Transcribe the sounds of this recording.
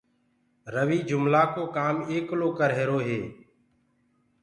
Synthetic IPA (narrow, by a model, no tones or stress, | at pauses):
ɾəʋiːd͡ʒʊmlaːkoːkaːmeːkloːkəɾɦeːɾoːɦeː